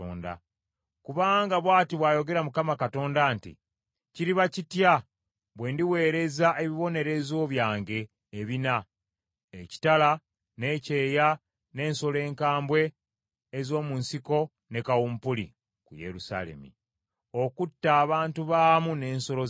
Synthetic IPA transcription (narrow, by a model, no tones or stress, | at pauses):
o̰ːnda̰ | kuβaːŋɡaβwaːtiβwaːjo̞ɡe̞ɾamukamakato̞ːndaːntḭ | ciɾiβacitja | βwe̞ːndiwe̞ːɾe̞zaʔe̞βiβo̞ne̞ɾe̞zo̞ːβjaːŋɟe̞ː | βina | eci̥tala | ne̞ːceːja | ne̞ːnso̞le̞ːŋkaːmbwe̞ː | zo̞ːmunsiko̞ | ne̞kawuːmpulḭ | kuje̞̰ɾusa̰le̞̰mḭ | o̞kutːaːβaːntuβaːmune̞ːnso̞lo